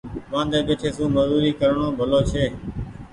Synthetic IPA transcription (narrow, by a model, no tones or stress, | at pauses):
ʋãːnd̪eːɓeːʈʰeːsũːməzuːɾiːkəɾɳõːbʱəloːt͡ʃʰeː